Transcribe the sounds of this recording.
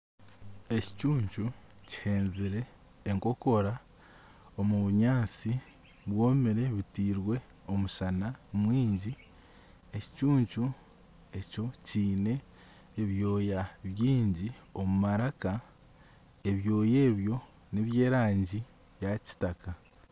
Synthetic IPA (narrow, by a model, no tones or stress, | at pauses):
e̞ci̥cuːɲt͡ʃuci̥he̞ːnziɾe̞ː | ŋko̞ko̞ɾa | omuβuɲaːt͡si | βwo̞ːmiɾe̞βitiːɾwe̞ | o̞muʃanamwiːɲɟi | e̞ci̥cuːɲt͡ʃu | e̞co̞ciːne̞ː | βjo̞ːjaβjiːɲɟio̞mumaɾaka | e̞βjo̞ːje̞ːβjo̞ | neβje̞ːɾaːɲɟi | jaci̥taka